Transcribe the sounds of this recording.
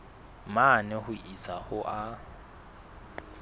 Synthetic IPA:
manɪhʊʔisahʊʔa

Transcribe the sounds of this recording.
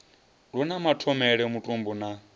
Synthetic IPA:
ɺunamatʰɔmɛɺɛmutʼumbuna

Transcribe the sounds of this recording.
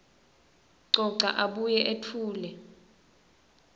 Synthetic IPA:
ǀɔǀa̰ʔaɓujɛʔetʰuːlɛ

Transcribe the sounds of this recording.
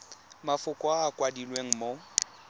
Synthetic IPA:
mafʊkʼɔaːkʼwadilweŋ̩mo

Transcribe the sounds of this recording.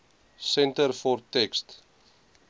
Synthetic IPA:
sɛntərfɔrtɛkst

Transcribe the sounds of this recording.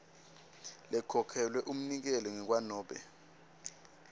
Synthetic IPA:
lɛkʰɔkʰɛlwɛʔum̩nik̬ɛlɛŋɛk̬wanɔːɓɛ̰

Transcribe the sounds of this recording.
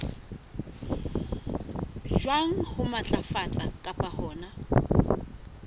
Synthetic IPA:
d͡ʒwaŋ̩hʊmat͡ɬʼafat͡ɬʼakʼapʼahɔːna

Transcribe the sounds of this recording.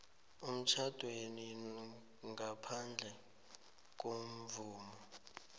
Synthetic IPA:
um̩t͡ʃʰad̥ʱweni | ŋɡapʰand͡ɮʱɛ | k̬om̩vuːmɔ

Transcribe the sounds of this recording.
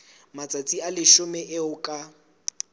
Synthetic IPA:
mat͡sʼat͡sʼialɪʃʊmɛʔɪʊkʼa

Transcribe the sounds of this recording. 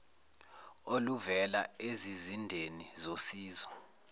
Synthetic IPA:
oluvɛlaezizindʱenizosiːzɔ

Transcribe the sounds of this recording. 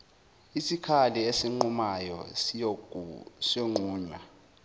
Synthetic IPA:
isikʰaliesiŋ͡ǃumajɔ̰ | sioŋ͡ǃʱuːɲwa

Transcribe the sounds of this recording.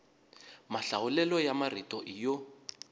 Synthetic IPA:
maɬawulɛlɔjamaritʼɔʔijɔ

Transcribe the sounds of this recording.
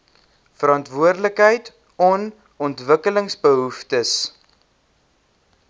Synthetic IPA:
fəɾɑntvuərdləkɦəjt | ɔn | ɔntvəkələŋsbəɦuftəs

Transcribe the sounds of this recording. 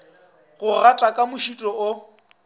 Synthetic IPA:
ɣʊɣatʼakʼamʊʃitʼɔʊ

